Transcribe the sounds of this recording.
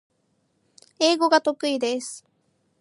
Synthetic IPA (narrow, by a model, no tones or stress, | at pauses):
e̞ːɡo̞ɡat̪o̞kɯ̟id̪e̞sɨ̥